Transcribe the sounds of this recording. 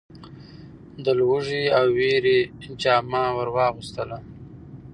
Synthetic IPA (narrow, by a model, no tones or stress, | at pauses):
d̪əlwuʐiawːeɾed͡ʒɑmɑwaɾwɑɣust̪əla